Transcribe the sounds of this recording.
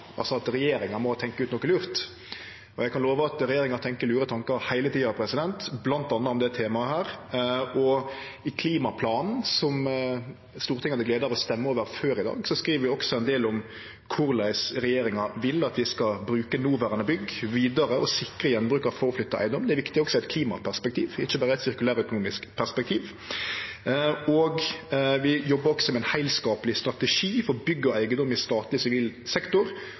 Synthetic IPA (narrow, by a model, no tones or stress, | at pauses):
ʔɑ̰lsɔɑt̪ɾɛjeːɾɪŋɑmɔt̪ʰɛŋkəʉːt̪nɔkːɪlʉːɾt̪ | ɔjɛɡkʰɑnloːʋəɑt̪ɾɛjeːɾɪŋɑɾt̪ʰɛŋkəɾlʉːɾət̪ʰɑŋkɑhæɪlət̪iːɑpʰɾɛsɪd̪ɛnt̪blɑnt̪ɑnːəɔmd̪ɛt̪ʰeːmɑəhæːɾ | ɔ | ɪkʰliːmɑpʰlɑːnn̩sɔm | st̪uːɾt̪ɪŋənəɡleːd̪əɾɔst̪ɛmːəoːʋəɾføːɾɪd̪ɑ̰ːɡsɔskɾiːʋəɾʋɪɔksɔɛnd̪eːlɔm | kʰʊɾlæɪsɾɛjeːɾɪŋɑʋɪlːɑt̪ʋɪskɑbɾʉːkənuːʋæɾɑnəbʏɡːʋiːd̪ɑɾəɔsɪkːʁəjɛnbʁʉːkɑʋfoːɔflʏt̪ːəʔæ̰ɪnɔmd̪ɛɾʋɪkt̪ɪɔksɔæɪt̪̚kʰliːmɑ̰pʰæʁspɛk̚t̪ʰiːʋɪçːəbɑːɾəæɪt̪sɪɾkʉlæːɾəœkʊnuːmɪskpʰæʁspɛk̚t̪ʰiːʋ | ɔɡʋɪjɔbːəɾɔksɔmɛnhæɪlskɑːpəlɪst̪ɾɑt̪ɛʂiːfɔɾbʏɡːəɔæɪɡənd̪ɔmːɪst̪ɑːt̪lɪsɪʋiːlsɛkt̪ʊɾ